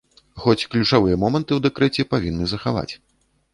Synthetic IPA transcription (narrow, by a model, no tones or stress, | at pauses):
xɔt͡sʲklʲut͡ʂavɨjɐmɔmɐnt̪ɨwd̪ɛkɾɛt͡sʲɛpavʲinːɨzɐxava̰t͡sʲ